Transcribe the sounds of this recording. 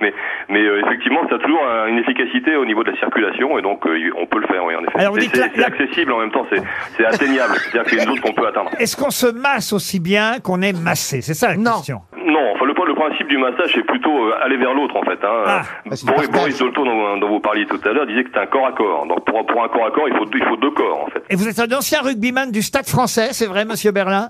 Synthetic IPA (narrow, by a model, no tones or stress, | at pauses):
mɛmɛøefɛk̚t̪ivmɑ̃sat̪uʒuʁynefikasit̪eonivod̪əlasiʁkʲylasjɔ̃ed̪ɔ̃køiɔ̰̃pøləfɛ̰ːʁwḭɑ̰̃nḛfɛalɔʁvud̪itsɛsɛaksesiblɑ̃mɛmt̪ɑ̃sɛsɛat̪enjablst̪at̪ad̪iʁksɛynzot̪χkɔ̃pøat̪ɛ̃d̪ʁɛskɔ̃səmasosibjɛ̃kɔ̃nɛmasesɛsalak̪ɛ̃st̪jɔ̃ | nɔ̃ɑ̃fɛ̃ləpχɛ̃ləpχɛ̃sip̚d̪ymasaʒɛplyt̪oalevɛʁlot̪χɑ̃fɛt̪ɛ̃øabɔʁibɔʁisd̪olt̪uʁd̪ɔ̃d̪ɔ̃vupaʁljet̪ut̪alœʁd̪izɛkəsɛt̪ɛ̃kɔʁakɔːʁd̪ɔ̃k̚puʁpuʁɛ̃kɔʁakɔʁilfod̪ilfod̪økɔːʁɑ̰̃fɛt̪evuzɛt̪zɛ̃nɑ̃sjɛ̃ʁyɡ̚bimand̪yst̪ad̪fχɑ̃sɛsɛvʁɛməsjøbɛʁlɛ̃